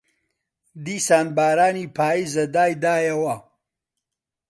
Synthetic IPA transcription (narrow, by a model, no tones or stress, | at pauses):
d̪iːsaːnbaːɾaːniːpʰaːizɐd̪aːjd̪aːjɐwɐ